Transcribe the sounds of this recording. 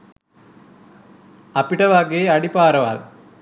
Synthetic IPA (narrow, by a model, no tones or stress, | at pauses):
ɐpːɪʈːɐʋaːkeːɐɽɪpːaːɾɐʋa̰ːl